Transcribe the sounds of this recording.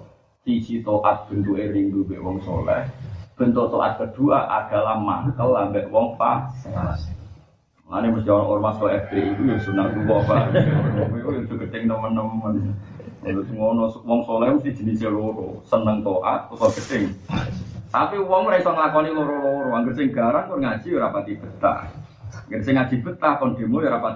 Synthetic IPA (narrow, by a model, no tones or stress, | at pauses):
t̪i̥t͡ʃit̪oʔa̰t̪̚b̥ə̤nt̪ueɾiŋdubɛʔwɔŋso̰lɛ̰hb̥ə̤nt̪ut̪oʔa̰t̪̚kəd̪̥ṳa̰ʔa̰d̥a̤lama̰kəlambɛʔwɔŋpa̰ | la̰neməst̪iɔnɔʔɔrmaskɔɛfd̪eik̪ujɔsunaluwɔpaɔk̪ujod͡ʒ̥o̤ɡ̥ət̪ɪŋt̪əmənəmmən | t̪t̪uŋɔnɔswɔŋsolaməst̪i̥d͡ʒ̥ə̤niseloɾo̰sənəŋt̪oʔa̰t̪̚osɔɡ̥ə̤t̪ɪŋ | t̪apiwɔŋmɾaisɔŋlakɔniloɾoloɾoaŋɡəsɪŋɡ̥aɾankorŋad̥ʒ̥i̤jɾapat̪ib̥ə̤t̪a̰h | kəɾsɪŋḁʒ̥i̤b̥ə̤t̪ahkɔnd̪̥i̤mujɾapa